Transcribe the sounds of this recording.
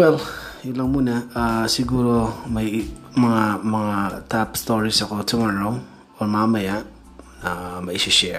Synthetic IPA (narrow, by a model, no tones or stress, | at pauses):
wɛlilaŋmunaasiɡuɾomajmɐŋamɐŋatapst̪oɾisɐkotumaɾow | oɾmamaja | namaisiʃɛ